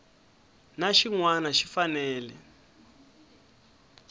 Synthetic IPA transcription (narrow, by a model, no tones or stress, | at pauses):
naʃiŋwanaʃi̥fanɛːlɛ